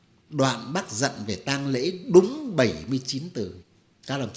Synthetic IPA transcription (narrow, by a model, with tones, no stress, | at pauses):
ɗwa̰ː˧˨nɓaː˦˥t̚zə̰˧˨nve˨˩t̪aː˧ŋlḛ˧˥ɗʊ˨˦ŋ͡mɓə˧˩jmɨ˧əjt͡ɕi˨˦nt̪ɨ˨˩ | kaː˦˥k̚lə˨˩